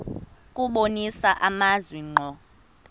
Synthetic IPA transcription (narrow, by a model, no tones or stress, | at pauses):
kʼuɓonisaʔamazwiŋ͡ǃʱɔ